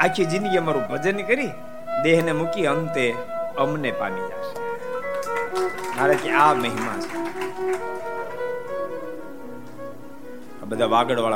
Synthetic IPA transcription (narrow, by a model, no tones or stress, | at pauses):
akʰid͡ʒinjəmaɾũbʱəd͡ʒənkəɾi | d̪eɦnemukiənt̪eəmnepa̰nid͡ʒa̰ʃe̥ | maːɾet̪iaməɦima̰t͡ʃʰe̥ | abəd̪ʱaʋaɡəɽʋaɭa